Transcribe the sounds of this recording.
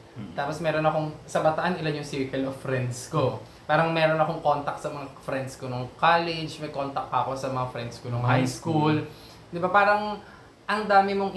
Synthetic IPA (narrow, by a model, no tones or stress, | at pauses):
t̪aːposmɛːɾonɐkoŋsɐbɐt̪ɐʔanʔɪlanjʊŋsiɹkɛlovfɾɛnd̪sko | paːɾɐŋmɛːɾonɐko̞ŋkont̪ɐk̪̚sɐmɐŋafɾɛnd̪skonoŋkaːlɛd͡ʒmɐjkont̪ɐk̚pɐʔɐko̞sɐmɐŋafɾɛnd̪skonoŋhajskul | d̪ɪbapaːɾɐŋ | ʔɐŋd̪aːmɪmoŋʔ